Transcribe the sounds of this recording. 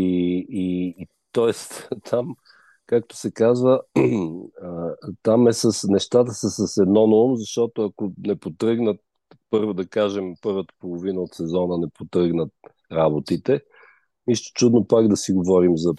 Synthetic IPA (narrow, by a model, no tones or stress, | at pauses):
ii | t̪ɔɛst̪t̪ʰam | kak̚t̪ʊ̥sɛkazvə | t̪amɛsəsnɛʃt̪at̪əsəsɐsɛd̪nɔnoumzɐʃt̪ɔt̪oɐkonɛpot̪ɾɤɡnət̪̚ | pɤɾvod̪ɐkaʒɛmpɤɾvət̪ə̥polˠovinəot̪sɛzɔnənɛpot̪ɾɤɡnət̪̚ | ɾabot̪it̪ɛ | nist̪o̥t͡ʃud̪nopaɡd̪ɐsiɡovɔɾimzɐ